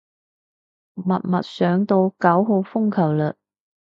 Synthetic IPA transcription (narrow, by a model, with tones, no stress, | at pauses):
mɐ˨t̚mɐ̰˨t̚sœː˨˥ŋt̪o˧wkɐ˨˥wɦo˧wfʊ˥ŋkʰɐ˨˩wlɵ˨˩t̚